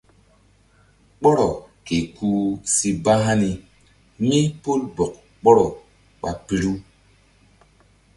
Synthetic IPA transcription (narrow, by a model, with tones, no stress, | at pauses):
k͡pɔ˦ɾɔ˨ke˨ku˦si˦ba˦ɦa˦ni˨ | mi˦po˦lbɔ˨k̚ | k͡pɔ˦ɾɔ˨ | ɓa˨pi˨ɾu˦